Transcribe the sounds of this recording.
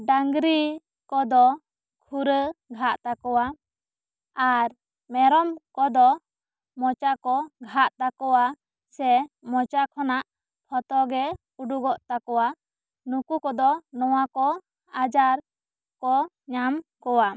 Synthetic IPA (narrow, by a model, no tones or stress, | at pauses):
ɖaŋɡɾi | kɔd̪ɔ | kʰuɾəɡʱaʔt̪akɔwa | aɾ | mɛɾɔmkɔd̪ɔ | mɔt͡ʃakɔɡʱaʔt̪akɔwa | sɛmɔt͡ʃakʰɔnaʔ | pʰɔt̪ɔɡɛ | uɖuɡɔʔt̪akɔwa | nukukɔd̪ɔnɔwakɔ | ad͡ʒaɾ | kɔ | ɲamkɔwa